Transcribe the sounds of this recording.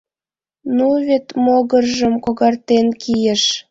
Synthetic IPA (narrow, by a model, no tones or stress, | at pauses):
nuβet̪moɣərʒə̆mkoɣɑrt̪enkijĕʃ